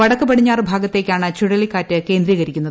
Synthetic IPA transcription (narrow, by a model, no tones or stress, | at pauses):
ɐɽɐkːɨpɐɽiɲːaːrɨbʱaːɡɐt̪ːe̞ːkʲːaːɳɨt͡ɕuɽɐlikːaːtːɨke̞ːnd̪riːɣɐɾikʲːunːɐð